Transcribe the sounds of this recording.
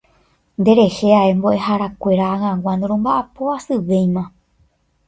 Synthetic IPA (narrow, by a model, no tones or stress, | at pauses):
nd̪e̞ɾe̞heae̞mbo̞ʔe̞ɦaɾakʷe̞ɾaaŋãɡwʷãnd̪oɾ̃õmbaʔapoasɨʋe̞j̃mã